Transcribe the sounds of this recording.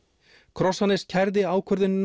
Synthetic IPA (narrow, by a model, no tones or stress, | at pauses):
kʰɾɔsanːɪscʰɛɾðɪaːwkʰœɾðʏnː